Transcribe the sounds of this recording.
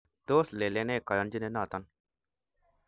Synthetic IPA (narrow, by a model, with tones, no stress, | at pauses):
t̪oːsle˨le˦ne˦kɐ˨jɐnd͡ʒi˦ne˦naː˨t̪ɐn